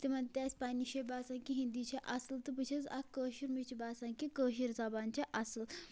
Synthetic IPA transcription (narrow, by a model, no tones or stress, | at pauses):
t̪emant̪ʲaspaniɕebasãŋkiɦĩnd̪it͡ɕʰeʔaslt̪əpət͡ɕʰet͡sakəɕiɾmit͡ɕibasãŋkikəɕ̬iɾd͡zabaɲt͡ɕaʔasəl